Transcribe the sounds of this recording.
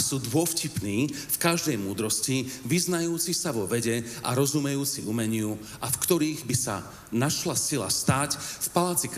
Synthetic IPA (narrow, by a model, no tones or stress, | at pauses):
suːd̪ʋʊɔfcipniːfkaʒd̪ɛjmuːd̪ɾɔsciʋiznajuːt͡sisaʋɔʋɛɟɛʔa̰ɾɔzumɛjuːt͡siumɛɲɪu | afkt̪ɔɾiːɣbisa̰ | naʃlasila̰st̪aːcfpalaːt͡sik